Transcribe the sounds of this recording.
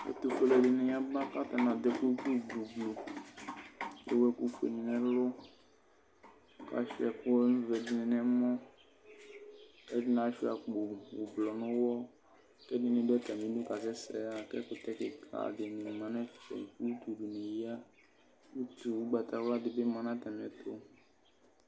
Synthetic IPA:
ɛ̰˦t̪u˨ko˨˦lɛ˨dɪ˨nẽ˨ja˦ba˦ka˦t̪ɛ˨nã˨d̪ɛ˦ku˦ku˦˨ɡ͡blu˨ɡ͡blo˨ | ḛ˦wɛ˦ku˦ku˨ḛ˨nĩ˨nɛ̃˨lʊ˦ | ka̰˦ʃi˦ɛ˨kʊ˦n˦vɛ˨dɪ˨˦nɛ̃˨nɛ˨mɔ̃˦ | kɛ˦dɪ˦nã˨˦ʃi˦a̰˨k͡po˨wo˨blɔ˨nõ˦wɔ˦ | kɛ˦di˦nĩ˨dɛ˦t̪a˨mĩ˨˦du˦ka˨sɛ˦sɛ̰˨a˨kɛ˦ko˦t̪ɛ˦ke˨kʰa̰˨de˨nĩ˨mã˨nɛ̃˦ffɛ̰˨ku˦u˦t̪u˨ɖu˨nẽ˨ji˦a˦ | wu˦t̪u˨wu˦ɡ͡ba˨t̪a˨wla˦d̪ɪ˨be˦mã˨nã˦t̪a˨mĩ˨ɛ˨t̪o˦

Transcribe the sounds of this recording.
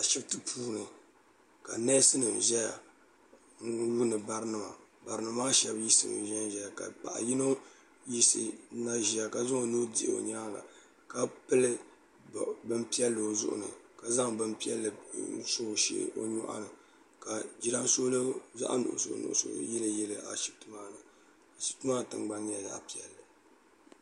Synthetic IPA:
ʃi˦btɨ˦pʰuː˦nɨ˨ | ka̰˨nɛ˦sɨ˦nɨ˨m˨ʒɛ˦ja̰˨ | n̩˦wu˦nɨ˨ba˨ɾɨ˦nɨ˨ma̰˨ba˨ɾɨ˨˦nɨ˨˦maː˦ʃɛ˦bji˦sɨ̰˨n̰˨ʒɛ˦n˦ʒɛ˦ja˨ka̰˨pa̰˨ʔa̰˨ji˦no˦ | ji˦sɨ̰˨˦na˦ʒi˨ja˨ka˨zo˦o˨nu˦dḭ˦ʔo̰˨ɲaː˦la̰˨ | ka˦pɨ˦lɨ˦ | bɨ˦m˦pi˦ɛ˦lːɨ˨o˨zʊ̰˦ʔʊ̰˨nɨ̰˨ka˨za˦ŋbɨ˦mpi˦ɛ˦lːɨ˨˦so˦˨ʃḛ˦ʔo̰˦ɲɔ˦ʔa̰˦nɨ˨ | ka˨d͡ʒi˦ɾa˦n˦so˦lɨ˦za̰˦ʔa̰˦nʊ̰˨ʔʊ̰˨so̰˨˦nṵ˨ʔʊ̰˨so̰˨˦jɛ˦lɨ˦jɛ˦lɨ˨ʔa̰˨ʃi̥˨tu˦ma˦nɨ˨ | a˨ʃi̥˨tu˦maː˦tɨ˨ŋɡ͡ba˦n˦a˨ja̰˦ʔpi˨ɛ˨lːɨ˨

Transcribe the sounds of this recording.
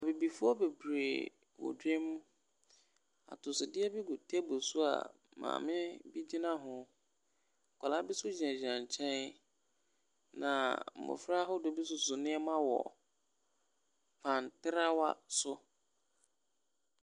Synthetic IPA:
a˨be˨bi˨fʊ˦ɔ˦be˨bɾe˨ | wɔ̰˨de˦m˦ | a̰˨tʊ˨sɪ˨dɪ˦ɛ˦bɪ˦ɡʊ˨tʰɛ˦bo˨sʊ˦a̰˨ | mã̰ː˨mɪ̃˦bi˦d͡ʑi˦nã˦ɦʊ̃˨ | kʰʷa˨la˦bɪ˦sʊ˦d͡ʑi˨ã˨d͡ʑã˨ɲ˨t͡ɕʰɛ̃˦n | nã̰˨m̩˨mʊ̰̃˨fa˦ɦʊ˦dʊ˦bi˦sʊ˨sʊ˨nɪ̃˦ɛ˦mã˦wɔ̰˨ | pʰã˨n˨tɪ˦ɾa˦wa̰˦sʊ˦

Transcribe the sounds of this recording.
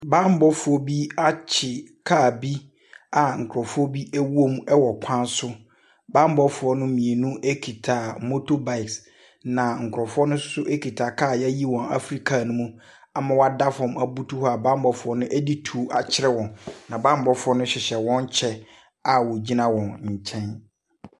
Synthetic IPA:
baː˦m̩˦bɔ˦fʊ˨˦ɔ˦bi˦a˦t͡ɕʰɪ˨kʰaː˦˨bi˦ | a˨ŋ̩˨kʰɾɔ˨fʊ˦ɔ˦bi˦æ˦wu˦o˦m˦ɛ˦wɔ˨kʷʰã˦nsʊ˦ | bãː˦m˦bɔ˦fʊ˨˦ɔ˦nʊ̃˦mĩ˨e˨nũ˦ʔe˦kʰi˨tʰa˨mo˦to˦ba˨ɪ˨ks | nã˨ŋ̩˨kʰʊ˨ɾɔ˨fʊ˦ɔ˦nʊ̃˦sʊ̥˦sʊ˦ʔe˦kʰi˨tʰa˨kʰaː˦˨jɛ˦ji˦wɔ̃˨na̰˦fɾi˦kʰa˨nʊ̃˦mũ˦ | a˨mã˨wa˦da˦fɔ̃˨ma˨bu˦tʰu˦hɔ˦a˨bã˦m˦bɔ˨fʊ˨˦ɔ˦nʊ̃˦ʔɛ˦di˦tʰu˨˦a˨t͡ɕʰɪ˦ɾɛ˦wɔ̃˨nnã˨bã˦m˦bɔ˦fʊ˦ɔ˦nʊ̃˦ɕɪ˨ɕɛ˨wɔ̃˦n˦t͡ɕʰɛ˦ | a˨wɔ˨d͡ʑi˦nã˦wɔ̃˨nɲ̩˨t͡ɕʰɛ̃˦n

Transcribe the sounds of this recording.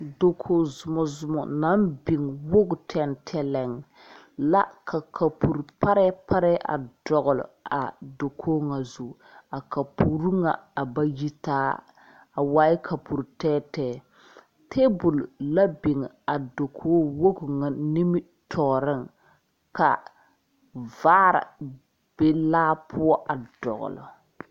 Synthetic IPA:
do˨kʰo˨zʊ˨mɔ˨zʊ˨mɔ̰˨na˨˦mbi˨ŋ˨wo˦ɡʊ˨tʰɛ˦ntʰɛ˦lɛ˨ŋ | la̰˦kʰa˨kʰa˨pu˨ɾpa˦ɾɛ˦pʰa˦ɾɛ˦ʔa̰˨dɔ˨ɣʊ˨lʊ̰˨a̰˨do˨kʰoː˦ŋa˨zu˨ | a˨ka˨pʰu˨ɾu˦ŋa̰˨a˨ba˦ji˦taː˦ | a˨waː˦ɪ˦kʰa˨pu˨ɾtɛː˦tɛː˦˨ | tʰe˦bʊ˨lla˦bɪ˨ŋ˨a˨do˨kʰoː˦wo˦kŋa˨ni˦mɪ˦ | tʰɔː˨ɾɪ˦˨ŋ | ka̰˨ | vaː˦ɾɪ̰˨ | b̥e˦laː˦pʰʊ˦ɔ˦ʔa˨d̥ɔ̰˨ɣʊ̰˨lʊ̰˨

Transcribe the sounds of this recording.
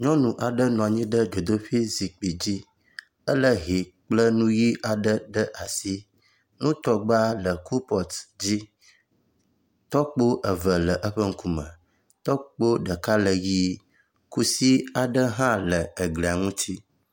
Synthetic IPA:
ɲɔ̃˦nũ˨ʔa˨ɖə˦nɔ̃˨a˨ɲĩ˦ɖə˦d͡ʒo˨d̪o˦ɸi˦zi˨k͡pi˨d͡ʑi˦ | ə˦lə˦ɦi˨k͡plə˦nũ˦ji˦ʔa˨ɖə˦ɖə˦ʔa˨si˦ | nũ˦t̪ɔ˦ɡ͡ba˦lə˨ku˦pɔ˨t̪d͡ʑi˦ | t̪ɔ˦k͡po˦ʔə˨və˨lə˨ʔə˦ɸə˦ŋ̩˦ku˦mə̰̃˨ | t̪ɔ˦k͡po˦ɖə˨ka˦lə˨ji˦ | ku˦si˦a˨ɖə˦ɦã˦lə˨ə˨ɡli˨a˨ŋũ˦t̪ʰi˦

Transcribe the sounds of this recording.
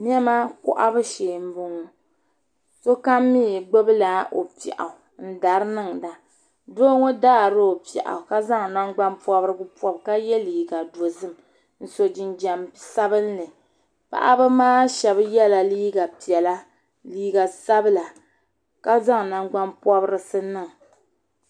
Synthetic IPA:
n˦ɛ˦ma˦kʊ̰˦ʔa˦bɨ˦ʃeː˨m̩˦bʊ˦ŋu˨ | so˦ka˦mːi˦˨ɡ͡bo˦bɨ˦la˨ʔo̰˨pḭ˨ʔa̰˨n̩˦da˨ɾɨ˦nɨ˦ŋ˨da˨ | doː˦ŋo˦daː˦˨ɾɨ˦o˨pɛ̰˨ʔa̰˨ka˦za˦ŋ˨na˦ŋɡ͡ba˦npɔ˦bɾɨ˦bɨ˦pɔ˦bka˦jɛ˦liː˨ɡa˨do˨zɨ˦˨m | n̩˨so˨d͡ʒɪ˨nd͡ʒa˨msa˦bɨ˦n˦lɨ˨ | pa̰˦ʔa˦bɨ˦maː˦ʃɛ˨bjɛ˦la˨liː˦ɡa˨pi˨ɛ˨la˦ | liː˦ɡa˨sa˦bɨ˦la˨ | ka˦za˦ŋ˨na˦ŋɡ͡ba˦npɔ˦bɨ˦ɾɨ˦sɨ˦nɨ˦˨ŋ˨

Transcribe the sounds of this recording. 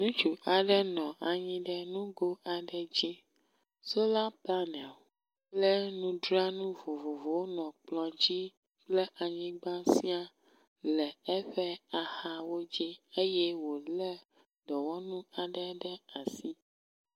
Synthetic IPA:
nũ˦t͡ʃu˨ʔa˨ɖɛ˦nɔ̃˨ʔa˨ɲĩ˦ɖɛ˦nũ˦ɡo˦a˨ɖɛ˨d͡ʑi˦ | so˦la˦pla˦nɛ̃˨ | plɛ˦nũ˦ɖɾa˦nũ˦vo˨vo˨vo˨wo˦nɔ̃˨k͡plɔ̃˨d͡ʑi˦ | k͡plɛ˦ʔa˨ɲĩ˦ɡ͡bã˦si˦a˦ | lɛ˨ɛ˦ɸɛ˦a˨ha˨wo˦d͡ʑi˦e˦jɛ˦wo˨lɛ˦ | d̪ɔ˨wɔ˦nũ˦a˨ɖɛ˦ɖɛ˦a˨si˦

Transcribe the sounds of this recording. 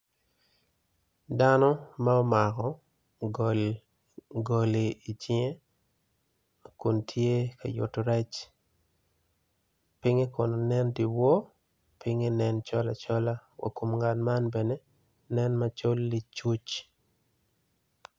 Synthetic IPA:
da˦nɔ˦ma˦ɔ˦ma˨kɔ˨ | ɡo˨li˨i˨t͡ʃɪ˦e˦ | ku˨ntʰje˦ka̰˨jʊ̰˨toɾɛ˦t͡ʃ | pɪ˦ŋe˦ko˨no˨nɛ˦ndi˨wo˦ | pɪ˦ŋe˦nɛ˦nt͡ʃɔ˦la̰˨t͡ʃɔ˦la˦wa̰˨ku˨mŋɡa˨nma˦nbɛ˨ne˦ | nɛ˦nma˦t͡ʃo˦lːi˦t͡ʃu˦t͡ʃ

